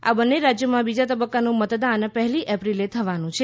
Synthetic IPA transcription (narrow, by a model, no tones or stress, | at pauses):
a̰bənːeɾad͡ʒjəmãbid͡ʒat̪əbəkːanũmət̪d̪anpəɦliʔɛpɾilet̪ʰəʋanũt͡ʃʰe